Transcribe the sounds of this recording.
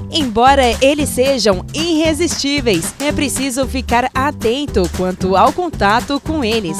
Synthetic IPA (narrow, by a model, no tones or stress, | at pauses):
ẽj̃bɔɾɐʔelɪsːeʒɐ̃w̃ĩɦezist͡ʃivejsɛpɾesizʊfikaɾat̪ẽnt̪ʊkwɐ̃nt̪ʊawkõnt̪at̪ʊkõw̃elɪs